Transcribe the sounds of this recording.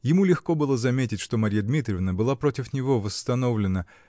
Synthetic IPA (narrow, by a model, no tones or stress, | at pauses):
jɪmulʲɪxko̞bɨlˠəzɐmʲetʲɪtʲʂt̪o̞mɐɾʲijəd̪mʲit̪ɾʲɪvnəbɨlˠapɾotʲɪfnʲɪvo̞vəst̪ɐno̞vlʲɪnə